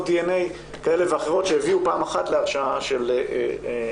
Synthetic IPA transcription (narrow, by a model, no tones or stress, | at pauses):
dienej | kae̞le̞veaχeʁ̞o̞tʃejeviupaːmaχatleaʁʃaaʃel